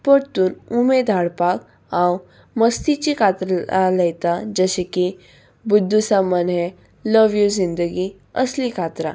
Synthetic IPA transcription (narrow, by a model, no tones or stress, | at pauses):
pəɽt̪uːnumed̪ʱaɽpak | ãw | məst̪it͡ɕikʰat̪ɾaləjt̪ad͡zəɕeki | bud̪ʱːusaməne | ləʋjud͡zind̪əɡi | əslikʰat̪ɾa̰